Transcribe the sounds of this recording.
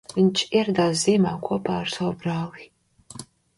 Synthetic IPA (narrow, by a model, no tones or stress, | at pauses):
ɨnt͡ʃʰʼird̪aziːmaːkʷʰuɔpʰaːrsɔwbraːli